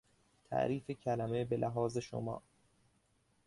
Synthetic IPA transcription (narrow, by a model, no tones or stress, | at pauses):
t̪ʰæ̰ʔɾiːfecʰælæme̞belʔæɦɒːze̞ʃo̰mɒ̰ː